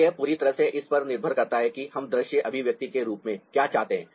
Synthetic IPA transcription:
ɦɛpuːɾit̪ɐɾəɦseʔɪspɐɾnɪɾbʱəɾkɐɾt̪aɦɛkihɐmd̪ɾɪʃjəʔɐbʱiʋjɐk̚t̪ikeɾuːpmẽkjaːt͡ʃaːɦt̪eɦɛ̃ː

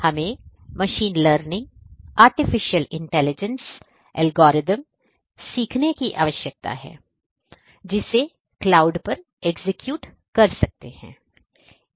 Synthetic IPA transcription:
hɐmẽmɐʃiːnləːɾnɪ̃ŋaːɾʈɪfɪʃijəlɪ̃ɳʈɛːlɪd͡ʒə̃ns | ɛːlɡɔːɾɪzəm | siːkʰnekiʔa̰ːʋəʃjək̚t̪a̰ɦɛ̰ː | d͡ʒɪse | klaːʊɖpɐɾ | eɡzɪkjuːʈ | kɐɾsɐk̚t̪ehɛ̰̃ː

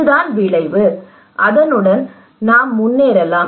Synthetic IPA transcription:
d̪aːnʋɪɭɐɪʋɯ | ʔɐðɐnɯɽɐn | naːmːʊnːeːɾɛlaː

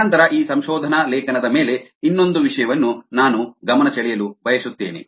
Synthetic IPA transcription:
ɐnt̪ɐɾɐʔiːsɐmʃɔːd̪ʱɐnɐlɛːkɐnɐd̪ɐmeːle̞inːo̞nd̪uʋiʂɐjɐʋɐnːunaːnuɡɐmɐnɐt͡ʃɐɭijɐlubɐjɐsut̪ːeːnḭ

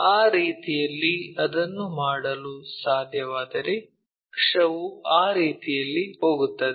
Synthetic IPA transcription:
aːɾiːt̪ijɐlːiɐd̪ɐnːumaːɽɐlusaːd̪ʱjɐʋaːd̪ɐɾe̞ | kʂɐʋuaːɾiːt̪ijɐlːiho̞ːɡut̪ːɐd̪

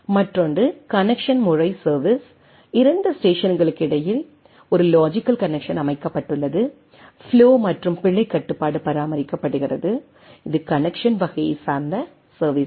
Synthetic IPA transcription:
mɐʈrɔnɖrɯkɐnɛkʂɐnmʊrɐɪsɐɾʋis | ɪɾɐnd̪ɐsʈeːʂɐnɡɐɭɯkːɪɽɐjɪl | ɔɾɯloːd͡ʒɪkːɐlkɐnɛkʂɐnɐmɐɪkːɐpːɐʈːɯɭːɐðɯ | fɪloːmɐʈrɯmpɪɭːɐɪkːɐʈːɯpːaːɽɯpːɐɾaːmɐɾɪkːɐpːɐɽɯɣɪrɐðɯ | ɪðɯkɐnɛkʂɐnʋɐɣɐjɐɪsaːɾnd̪ɐ | sɐɾʋiːs

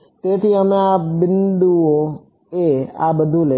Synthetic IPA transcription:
tet̪iameabinduwo | ea̰bəd̪ule

